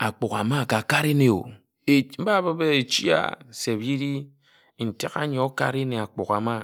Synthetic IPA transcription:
a˨k͡pu˨ka˨ma˦˨ka˨ka˦ɾe˦ne˨o̰˨ | e˨m̩˦ba˦bə˦be˦e˨t͡ʃi˦a̰˦˨se˨bji˦ɾi˦ | n̩˨ti˦ka̰˦ɲ˨ɔ˨o˦ka̰˦ɾe˦ne˨a˨k͡pu˨ka˨ma˦

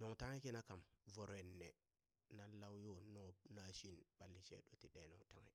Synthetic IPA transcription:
no˨ŋta˦ŋe˦ki˦na˦ka˨mvo˨ɾe˨nːe˨ | na˦la˦wjo˦no˦na˨ʃi˦nɓa˨lːi˨t͡ʃḛ˦ɗo˦ti˨ɗe˨no˨ŋta˦ŋḛ˦˨

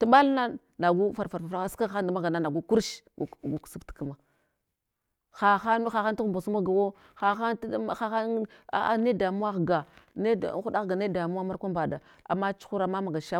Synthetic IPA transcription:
tu˨ɓa˦lna˦ | na˨ɡu˦fa˨ɾfa˨ɾfa˨fa˦ska˦˨xa˦nda˨ma˦ɡa˨na˦na˨ɡu˦ku˦ɾʃɡu˨ksu˦tka˦ma˨ | xa˨xa˦n˦xa˨xa˦n˦tu˦xu˨mba˨su˦ma˦ɡa˨wo˦ | xa˨xa˦n˦˨xa˦xa˦a̰˨a̰˦ne˦da˨mu˦wa˦xɡa˨nḛ˦˨˦xu˦da˦ɣɡa˨ne˦˨da˨mu˦a˦ma˦ɾkʷa˦mba˨da˨ | a̰˨mːa˦t͡ʃu̥˦xu˦ɾa˨ma˦ma˨ɡa˨ʃa˦

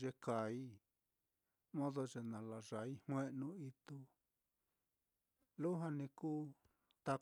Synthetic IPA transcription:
ʒe˧ka˨i˦ | mõ˦ðo˧ʐe˧nã˨la˨ʐa˨˦i˦hw̃ẽ˦ʔnũ˧i˧t̪u˧ | lu˦ɦa˧nĩ˧kuː˦ | t̪a˧

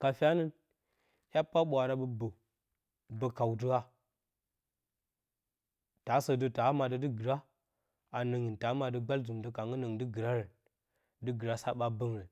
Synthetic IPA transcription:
ka˨fʲa˦nə˦n | hʲa˦pːa˦ɓʷa˨ɾa˦bə˨bə˨ | bə˨ka˨wt̬ə˦a˦ | ta˨˦sə˨də˦ta˨˦ma˨də˦də˦ɡə˨ɾa˦ | a˨nə˨ŋi˨nta˨˦ma˨də˦ɡ͡ba˦ld͡zu˨mdə˦ka˨ŋə˦nə˨ŋdə˦ɡi˨ɾa˦ɾə˨n | də˦ɡi˨ɾa˦sa˦ɓa˦bə˦ŋɾe˨n

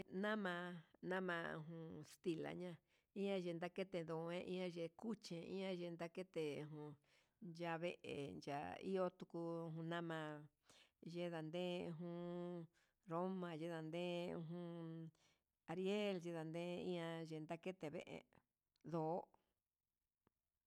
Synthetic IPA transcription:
nã˦mã˧nã˦mã˧ɦũ˧st̪i˧la̰˨ɲã˧ | ĩ˦ɲã˧ʒe˧nd̪a˦ke˦t̪e˧d̪o˨˧ẽ˦ʔḭ̃˦ã˧ʒe˧ku˦t͡ʃẽ˧ḭ̃˦ã˧ʒe˧nd̪a˦ke˦t̪e˨˧ɦũ˧ | nd͡ʒa˧βe˧ʔḛ˨nd͡ʒa̰˨ḭ˦o˦t̪u˧ku˧ɦũ˧nã˦mã˧ | ʒe˧˦ða˨nd̪ẽ˦˧ɦũ˦ | ɾo˦mã˧ʒe˦ða˧nd̪ẽ˦˧ɦũ˧ | a˧ɾi˦e˦lʒe˧ða˨nd̪ẽ˦ĩ˦ã˧ʒe˧nd̪a˦ke˦t̪e˨βḛ˦ʔḛ˧ | ðo˨˦

